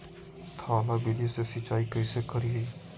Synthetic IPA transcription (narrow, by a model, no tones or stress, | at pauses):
t̪ʰaːlabilisesɪt͡ʃːaːikəɪsekəɾie